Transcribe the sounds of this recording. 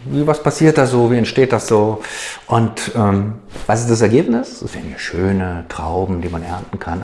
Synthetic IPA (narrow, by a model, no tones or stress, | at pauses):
viːvaspasiːɐt̚d̥aːsz̥oːviːɛntʃteːt̚d̥asz̥oːʔʊntʔɛːm | vasɪstd̥as̬ɛɐɡeːpnɪsɛsv̥ḛːnhiːʃøːnətʁ̥a̰ʊbm̩diːmanʔɛɐntn̩kʰan